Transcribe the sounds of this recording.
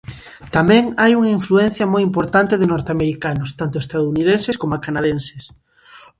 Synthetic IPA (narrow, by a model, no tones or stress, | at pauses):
t̪amɛ̃ŋajuŋaiɱfluɛn̟θjɐmojimpoɾt̪ant̪ɪðɪnɔɾt̪eameɾikanʊst̪ant̪ʊest̪aðuniðenseskomakanaðenses